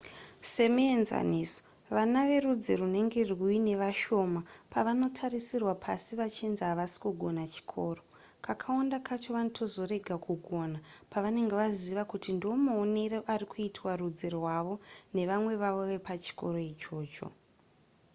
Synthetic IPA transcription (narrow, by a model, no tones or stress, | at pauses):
se̞mienza̰niːso̥ | ʋanaʋe̞rud͡zerune̞ŋɡe̞rwuine̞ʋaʃo̞mapaʋano̞tʰarisirwapʰa̰siʋat͡ʃinziɦaʋasi̥kuɡʱo̞nat͡ʃi̥kʰo̞ːro̞ | kakʰaondakʰat͡ʃo̞ʋanotʰo̞zo̞re̞ɡʱakʰuɡʱo̞napaʋane̞ŋɡe̞ʋaziʋakutindomoːne̞reʔarikʰuitʰwarud͡zerwaʋo̞ne̞ʋamwe̞ʋaʋo̞ʋe̞pat͡ʃi̥ko̞ɾo̞it͡ʃo̞ːt͡ʃo̞̰